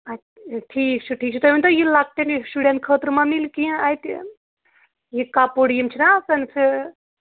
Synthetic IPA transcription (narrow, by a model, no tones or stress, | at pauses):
at̪ʈʰiːk̚t͡ʃʰuʈʰiːk̚t͡ʃʰit̪oʋint̪ɐjilaɡ̚t̪ensuɖent̪̚kʰəːt̪ɾmãmilkĩajt̪ | jikaːpoɽijimt͡ʃʰinasɐnpʰiɾ